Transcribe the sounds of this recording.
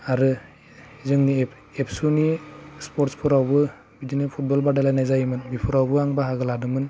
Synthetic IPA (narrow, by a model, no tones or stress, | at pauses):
aɾɯ | zɯŋni | epʰsunispɔɾtspʰɯɾawbɯ | bidinɯpʰut̚bɔlbadalajnajzajmɯnbipʰɯɾawbɯaŋbaɦaɡɯladɯmɯn